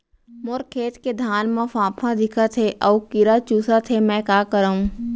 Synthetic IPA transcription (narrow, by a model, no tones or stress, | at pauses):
moɾkʰeːt̪ked̪ʱaːnmãfãːpʰãd̪ɪkʰat̪ʰeʔɔːkɪɾat͡ʃuːsat̪ʰemɛ̃ːkaːkəɾaːũː